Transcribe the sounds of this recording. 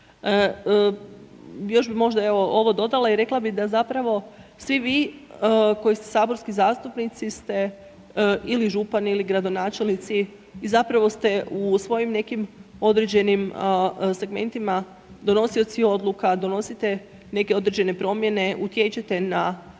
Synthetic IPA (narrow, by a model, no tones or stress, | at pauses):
ə | jo̞ʒbimo̞ʒd̪ae̞ʋo̞ʔo̞ʋo̞d̪o̞d̪alˠaiɾe̞klabid̪azapɾaʋo̞sʋiʋiː | ko̞jist̪esaːbo̞ɾskizaːst̪upnit̪sist̪e̞ | iliʒupaniliɡɾad̪o̞naːt͡ʃe̞lnit̪siː | zapɾaʋo̞st̪e̞usʋo̞jimne̞kimo̞d̪ɾed͡ʑe̞nimse̞ɡme̞̰nt̪ima | d̪o̞no̞sio̞t̪sio̞d̪lˠukad̪o̞no̞sit̪e̞ | ne̞ke̞o̞d̪ɾe̞d͡ʑe̞ne̞pɾo̞mje̞ne̞ʔut̪je̞t͡ɕet̪e̞na